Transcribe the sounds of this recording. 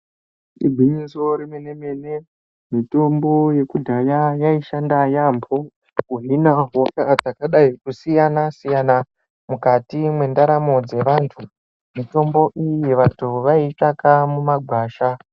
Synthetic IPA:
ibʱiɲiso̞ɾemene̞me̞ne̞ | mito̞mbo̞je̞kudʱajajaiʃandajambʰo | uɦinaɦokad͡zakaɗaikusijanasijana | mukatimwe̞ndaɾamo̞d͡ze̞ʋaːntʰu | mito̞mbo̞ʔijiʋatuʋaitakamumaɡʱwaːʃa

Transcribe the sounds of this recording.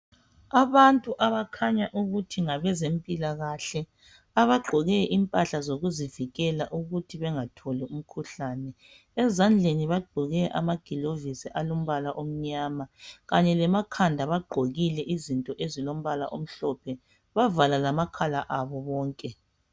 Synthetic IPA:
aβantʼuʔaβakʰaɲaʔuɣutʰiŋaβɛzempʼilaɣaɬɛ | aβaɡ͡ǃʱɔɣɛʔimpʼaɬazoɣuziviɣɛlaʔuɣutʰiβɛŋatʰɔlɛum̩kʰuɬaːnɛ | ɛzand͡ɮʱeniβaɡ͡ǃʱɔɣɛʔa̰maɡ̥ʱilovisiʔalom̩βalaʔom̩ɲaːmaɣaɲɛlɛmakʰandʱaβaɡ͡ǃʱoɣilɛʔizintʼɔʔezilom̩βala̰ʔom̩ɬɔpʰɛ | βavalalamakʰalaʔaβɔβɔːŋkʼɛ

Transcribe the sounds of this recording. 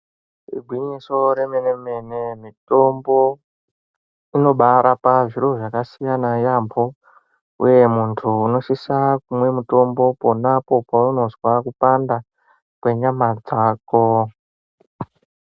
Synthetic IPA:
rḭɡʱwiɲiso̞ɾe̞meneme̞ne̞mito̞mbo̞ | ino̞ɓaɾʔapaʐiɾo̞ʐakasijanajambo̞ | ṵje̞muntʰuːno̞ʃisakumwe̞muto̞mbo̞po̞napo̞pauno̞zwakupanda | kwe̞ɲamad͡zaːko

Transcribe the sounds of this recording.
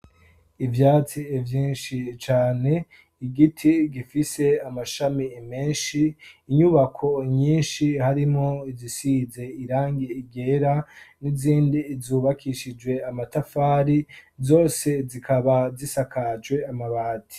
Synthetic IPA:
ivjaːt͡sievjiːnʃit͡ʃaːne̞ | iɡitʰiɡifise̞amaʃamimeːnʃiːɲuβakʰo̞ɲiːnʃihaɾimoizisize̞iɾaːŋɡiiɡe̞ɾaniziːndiːzuβakʰiʃid͡ʒwe̞amatafaːɾizo̞ːse̞zikʰaβazisakʰad͡ʒɡwe̞amaβaːtʰi̥

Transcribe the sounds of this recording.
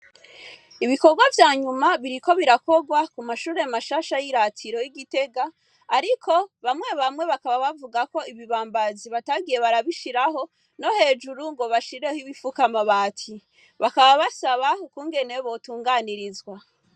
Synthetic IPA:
iβiko̞ɡwavjaːɲumaβiɾiko̞βiɾako̞ɡwakumaʃuːɾe̞amaʃaːʃajiɾatʰiɾo̞jiɡite̞ɡaː | ɾikʰo̞βamŋe̞βamŋe̞βakaβaβavuɡako̞iβiβaːmbaziβataɡije̞βaɾaβiʃiɾaɦo̞ | no̞he̞ːd͡ʒuɾuŋɡo̞βaʃiɾe̞hiβifukamaβaːtʰi | βakaβaβasaβaukuːŋɡe̞ne̞βo̞tuːŋɡaːniɾizɡwa

